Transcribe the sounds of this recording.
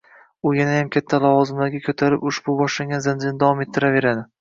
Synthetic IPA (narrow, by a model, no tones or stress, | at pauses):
ʊjanajamkʲʰat̪ʰːalɒvɒzɪmlaɾɡʲakʰʲɵt̪ʰaɾɪpʊʃbʊbɒʃlaŋɡʲanzand͡ʒɪnɪd̪avwɒme̞t̪ʰːɪɾave̞ɾad̪ɪ